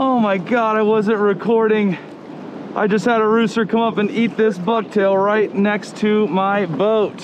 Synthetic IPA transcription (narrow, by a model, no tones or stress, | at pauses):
oʊmaɪɡɑɾaɪwʌzɨ̃nt̚ɹɨkʰɔɹɾɪ̃ŋ | ʔa̰ɪd͡ʒʌst̚həɾəɹʉstə˞kʰʌ̃mʌpɨ̃nit̪̚ðɪsbʌk̚tʰeɪlˠɹaɪtⁿnɛkstʰɨmaɪboʊt̚